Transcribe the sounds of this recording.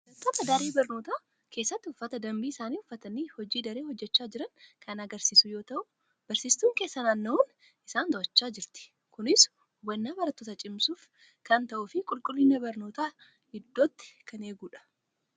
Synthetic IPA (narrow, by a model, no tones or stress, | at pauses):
bɐɾɐt̪ːoːt̪ɐd̪ɐɾeːbɐɾno̞ːt̪aː | kʰe̞ːsːɐt̪ːɪʊfːɐt̪ɐd̪ɐmbiːɪsaːniːʊfːɐt̪ɐniːhɔd͡ʒiːd̪ɐɾeːhɔd͡ʒːɛt͡ʃːaːd͡ʒɪɾɐŋkʰɐnɐɡɐɾsiːsʊjo̞ːt̪ɐʔʊ | b̥ɐɾsiːst̪uːŋke̞ːsːɐnaːnːɐun | ʔɪsaːnd̪ɔʔɐt͡ʃːaːd͡ʒɪɾt̪ɪ̥ | kʊnɪs | wɐnːaːbɐɾɐt̪ːoːt̪ɐt͡ʃʼɪmsuːf | kɐnt̪ɐʔufɪkʼʊlkʼʊlːɪnɐbɐɾno̞ːt̪aː | hɪd̪ːoːt̪ːɪ̥kʰɐneːɡuːᶑɐ̥